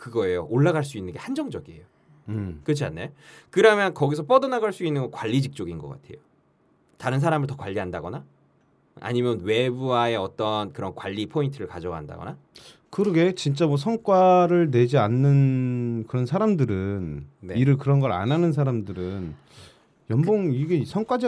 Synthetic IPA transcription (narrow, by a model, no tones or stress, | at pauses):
kɯɡʌe̞joʔoɭːaɣaɭs̬͈uinːɯnɡehand͡ʑʌŋd͡ʑʌɡiḛjo | kɯt͡ɕʰia̰nːekɯɾamjʌnkʌɡisʰʌp͈ʌdʌnaɡaɭs͈uinːɯnɡʌkwaʎːid͡ʑik̚t͡ɕ͈oɡinɡʌk͈a̰tʰe̞jo | taɾɯns̬ʰaɾamɯɭtʌkwaʎːiɦandaɡʌna | a̰ɲimjʌnwe̞buae̞ʌt͈ʌnkɯɾʌnkwaʎːipʰointʰɯɾɯɭkad͡ʑʌɡɦanda̰ɡʌ̰na | kɯɾʌɡe̞t͡ɕint͡ɕ͈amwʌsʰʌŋk͈waɾɯɭne̞d͡ʑianːɯnkɯɾʌnsʰaɾamdɯɾɯnneiɾɯɭkɯɾʌnɡʌɾa̰nanɯnsʰaɾamdɯɾɯn | jʌmboŋiɡesʰʌŋk͈wad͡ʑʌ